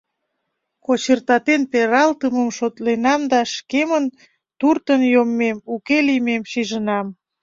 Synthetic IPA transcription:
kot͡ɕərt̪ɑt̪enpeɾɑlt̪əməmʃot̪lenɑmd̪ɑʃkemən | t̪urt̪ənjomːemukelimemʃiʒənɑm

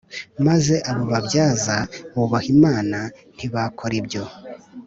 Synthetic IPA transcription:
maze̞ʔaβuβabjaːzaβuβahimaːnan̥iβakʰo̞ɾibjo̞

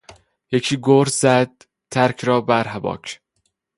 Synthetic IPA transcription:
jecʰiːɡoɾzæd̪̥̚ːʰ | æɾkʰɾɒːbæɾɦæbɒ̰ːkʰ

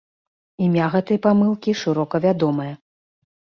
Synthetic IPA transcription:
imʲaɣɛt̪ɨjɐpamɨlˠkʲiʂɨɾɔkɐvʲad̪ɔmɨjɐ

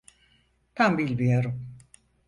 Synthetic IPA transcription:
t̪ʰambilʲbijoɾum

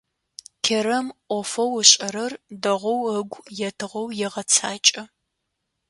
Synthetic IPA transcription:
kʲʰeɾɐmʔʷɔfɐwəɕʼɐɾɐrdɐʁʷɔwəɡʷjɛtʰɨʁɐwjɛʁɐt͡sʰaːt͡ʃʼɐ

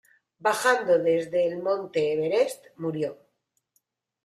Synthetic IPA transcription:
baxand̪o̞ðe̞zðe̞ːlmõ̞nt̪eːβ̞e̞ɾest̪muɾjo̞

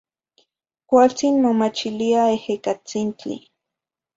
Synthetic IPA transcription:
kʷalt͡sinmomat͡ʃiliaehekat͡sint͡ɬḭ

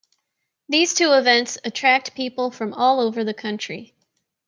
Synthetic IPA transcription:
ðiz̥tʰʉəvɛ̃ntsɨtʰɹ̥æk̚t̚pʰipl̩ˠfɹʌ̃mɔlˠoʊvə˞ðɨkʰʌ̃nt͡ʃɹ̥i

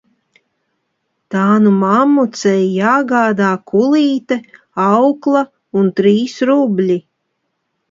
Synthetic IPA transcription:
t̪aːnumamːut̪sɛjjaːɡaːd̪aːkʰulˠiːt̪ɛ | ɑwklˠa | unt̪ɾiːsɾubʲlʲi

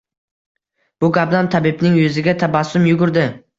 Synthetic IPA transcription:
b̥ʊɡabnamt̪ʰabɪbnɪŋjɵzɪɡʲat̪ʰabasːʊmjʊɡʊɾd̪ɪ

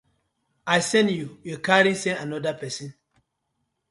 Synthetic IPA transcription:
ajsɛ̃njujokaɾĩsɛ̃nanɔdapɛsĩn

